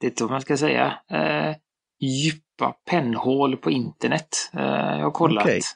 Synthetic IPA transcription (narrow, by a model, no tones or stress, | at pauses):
d̪̥ɛɛt̪ːɔmanskasɛjːa̰ | jʉpːa̰pʰɛnːhoːlpʰɔɪnt̪əɳɛt̪ːjɑ̰haɾkʰɔlːat̪